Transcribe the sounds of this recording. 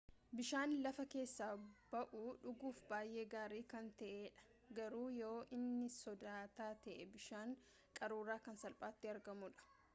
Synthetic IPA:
bɪʃaːnlɐfɐke̞ːsːaːbɐʔʊᶑʊɡuːfbaːjʔe̞ːɡaːɾiːkɐnt̪ɐʔeːᶑɐ̥ | ɡɐɾuːjooːʔɪnːɪsɔd̪aːt̪aːt̪ɐʔɛbɪʃaːŋ | kʼɐɾuːɾaːkɐnsɐlpʼaːt̪ːɪɐɾɡɐmʊᶑɐ̥

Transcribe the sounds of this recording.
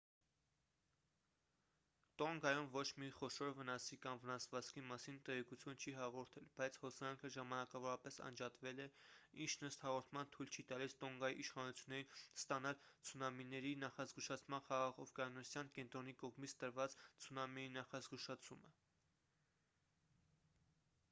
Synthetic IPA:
t̪ɔŋɡɑjumvɔt͡ʃʰmiχɔʃɔɾvənɑsikɑmvənɑsvɑt͡skʰimɑsint̪ɛʁɛkut͡sʰjunt͡ʃʰiɦɑʁɔɾt̪ʰɛlbɑjt͡sʰhɔsɑŋkʰəʒɑmɑnɑkɑvɔɾɑpɛsɑ̰nd͡ʒɑt̪vɛlɛint͡ʃʰnəst̪hɑʁɔɾt̪ʰmɑnt̪ʰujlt͡ʃʰit̪ɑlist̪ɔŋɡɑjiʔiʃχɑnut͡sʰjunːɛɾinst̪ɑnɑlt͡sʰunɑminːɛɾinɑχɑzɡuʃɑt͡sʰmɑnχɑʁɑʁɔfɡɑnɔsjɑnkɛnt̪ɾɔnikɔʁmit͡sʰt̪əɾvɑt͡st͡sʰunɑmiinɑχɑzɡuʃɑt͡sʰumə

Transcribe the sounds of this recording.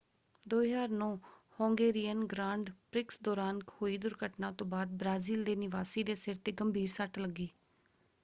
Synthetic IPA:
d̪oːjaːɾnõːhõːŋɡeːɾijənɡɾãːɳɖpɾɪksd̪ɔːɾaːnkhoːiːd̪ʊɾkəʈnãːt̪õːbaːd̪̚bɾaːziːld̪eːnɪʋaːsiːd̪eːsɪɾt̪eːɡəmbʱiːɾsəʈləɡːiː

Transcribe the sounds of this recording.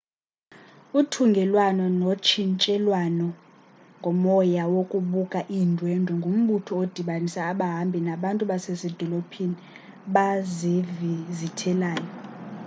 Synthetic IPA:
utʰuŋɡʱɛlwanɔnot͡ʃʰint͡ʃʼɛlwanɔ | ŋɡʱɔmɔjawokʼuɓukʼaʔindʱwɛndʱɔŋɡʱum̩ɓutʰɔod̥ʱiɓanisaːɓaɦambʱinaɓantʼuɓasesɛd̥ʱɔlopʰini | ɓazivizitʰɛlaːjɔ

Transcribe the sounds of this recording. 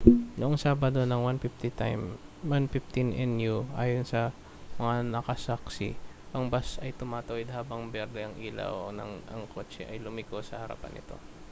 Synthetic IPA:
noʔɐŋsaːbɐd̪o̞nɐŋwanpɪft̪ɪt̪a̰mwanfɪft̪ɪnʔɛnjuʔaːjonsɐ | mɐŋanɐkɐsaksɪ̰pɐŋbasɐjt̪ʊmaːt̪ɐwɛd̪haːbɐŋbɛɾd̪ɛɐŋʔiːla̰wnɐ̰ŋɐ̰ŋkʰo̞ːt͡ʃɛʔɐjlʊmɪkosɐhɐɾa̰pɐ̰nʔɪ̰t̪o̞̰

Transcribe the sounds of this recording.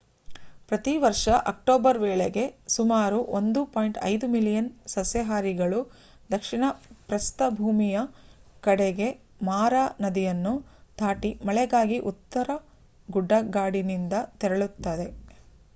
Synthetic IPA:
pɾɐt̪iʋɐɾʂɐʔɐk̚ʈoːbɐɾʋɛːɭeɡe̞sumaːɾuʔond̪upoːjɳʈɐ̰jd̪umilijɐnsɐsjɐɦaːɾiɡɐɭu | d̪ɐkʂiɳɐpɾɐst̪ɐbʱuːmijɐkɐɽɛɡe̞ | maːɾanɐd̪ijɐnːud̪ʱaːʈimɐɭɛɡaːɡiʔut̪ːɐɾɐ | ɡuɖːɐɡaːɽinind̪ɐt̪ɛɾɐɭut̪ːɐd̪e̞

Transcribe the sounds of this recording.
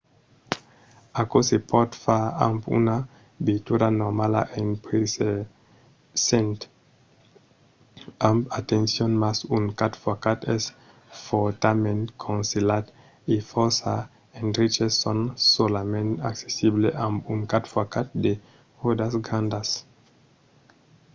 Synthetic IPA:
akosepɔt̪faampṵna | bit̪uɾanɔmala̰ʔẽnpɾese | sẽnt̪ | ãmpat̪ẽnsjɔ̃nmasunkat̪fakat̪ɛs | fɔt̪amẽnkʰɔ̃nselat̪ | ifɔsa | ẽnɾit͡ʃesːɔ̃nsolamẽntakse̥sibleʔãmpuŋkatfakat̪̚de | odasɡãnd̪as

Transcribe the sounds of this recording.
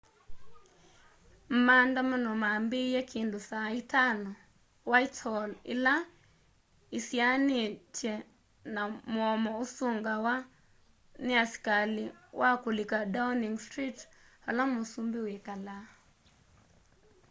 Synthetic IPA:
m̩mandamanɔmaːmbejɛkʰendosaitanɔ | waitɔlḛla | isjanet͡ʃɛ | namwɔmɔosoŋɡawa | neasi̥kalewʔakolekadauniŋstɾit | halamosumbewekala

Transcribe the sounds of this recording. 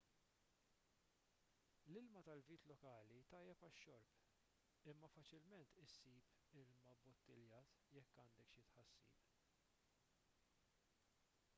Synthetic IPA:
lɪlmɐt̪ɐlviːt̪lɔkɐːlit̪ɐjːɛpɐʃːɔɾp | ɪmːɐfɐt͡ʃɪlmɛnt̪ɪsːiːp | ɪlmɐbɔt̪ːɪljɐːt̪jɛkːɐnd̪ɛkʃjɪt̪ħɐsːḭːp

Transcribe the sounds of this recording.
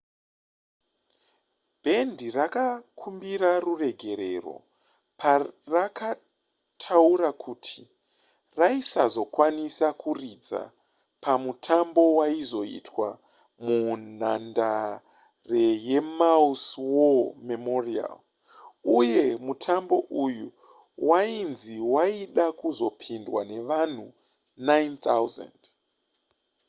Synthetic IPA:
b̥ʱe̞ndirakakʰumbiɾarure̞ɡʱe̞ɾe̞ro̞̰ | paraka | tʰauɾakʰuːtʰi̥ | raisazo̞kwanisakurid͡za̰ | pʰamutʰambo̞waizo̞ḭtwa | mun̤anda | re̞je̞mauswomemoria̰l | uje̞mutʰambo̞ʔuju | wainziwaiɗakuzo̞pʰindwane̞ʋan̤u | najnt̪awza̰nd

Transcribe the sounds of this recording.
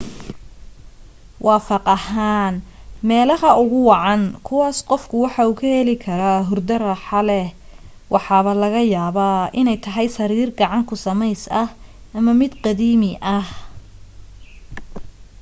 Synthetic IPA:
wɑːfɑqɑhaːn | mɛːlɐhɐʊɣʊwɑʕɑnkʰʊwɑːsqɔfkʰʊwɑħɑuːkʰɐhɛlɪkʰɐɾaːɦʊrd̪ɐrɑħɑlɛ | wʔɑħɑːβɐlɐɣɐjaːβaːɪnɛjt̪ʰɐɦɛjsɐɾiːrɡɑʕɑŋkʰʊsɐmɛjsɐh | ɐmɐmɪd̪qɑðiːmɪʔɐh

